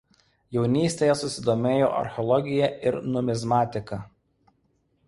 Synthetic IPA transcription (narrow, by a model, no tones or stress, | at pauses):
jɛʊnʲiːsʲt̪ʲeːjɛsʊsʲɪd̪oːmʲeːjo̰ːʔɐ̰ɾʲxʲɔlˠɔɡʲɪjɛʔɪɾnʊmʲɪzmɑːt̪ʲɪkɐ